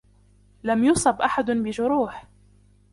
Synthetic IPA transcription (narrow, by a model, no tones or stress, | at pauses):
lamjʊsˤɑbʔaħad̪bɪʒʊɾuːħ